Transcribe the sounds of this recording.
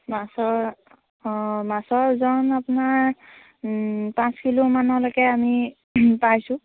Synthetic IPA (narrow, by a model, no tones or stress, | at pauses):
masɔɹ | masɔɹzɔnapnaɹ | pãskilumanɔlɔjkɛami | pajsũ